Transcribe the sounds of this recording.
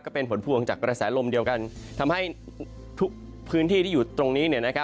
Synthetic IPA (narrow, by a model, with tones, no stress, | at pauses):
kɔː˥˩pe˧npʰo˩˦npʰuː˧əŋt͡ɕaː˨˩kɾa˧sɛː˩˦lo˧mdi˧əwka˧nt̪ʰa˧mha˥˩j | t̪ʰu˦˥k̚ | pʰɯː˦˥nt̪ʰiː˥˩iː˥˩juː˨˩t̪ɾo˧ŋniː˦˥ni˥˩ɐna˦˥kʰa˦˥